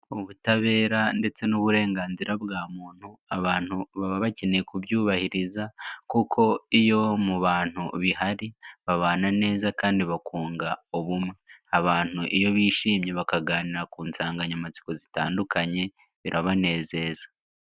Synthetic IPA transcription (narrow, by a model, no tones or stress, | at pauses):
oβutaβe̞ːɾande̞t͡se̞nuβuɾe̞ːŋɡaːnziɾabɡaːmuːn̥huaβaːn̥huβaβaβace̞nekuβjuːβahiɾizakukʰo̞ijo̞muβaːn̥huβihaɾiβaβaːnane̞ːzakaːndiβakʰuːŋɡaoβumŋeaβaːn̥huʔijo̞βiːʃiːmɲe̞βakaɡaːniɾakuːnsaːŋɡaɲamat͡si̥ko̞zita̰ːndukaɲe̞ | βiɾʔaβane̞ːze̞ːzḁ